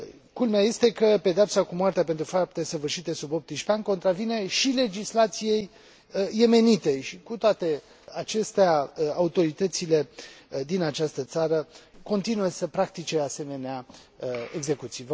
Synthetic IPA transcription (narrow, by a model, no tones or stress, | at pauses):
kulmeaje̞st̪e̞kəpe̞d̪eapsakumoart̪eape̞nt̪ɾufap̚t̪e̞səvɨrʃit̪e̞subo̞p̚t̪iʃpeanko̞nt̪ɾavine̞ʃile̞d͡ʒislat̪sije̞jː | e̞me̞nit̪e̞ʃikut̪oat̪e̞ | at͡ʃe̞st̪eaaut̪o̞ɾit̪ət̪sile̞d̪inat͡ʃast̪ət̪saɾəko̞nt̪inujesəpɾak̚t̪it͡ʃe̞ase̞me̞nea | eɡze̞kut̪sijv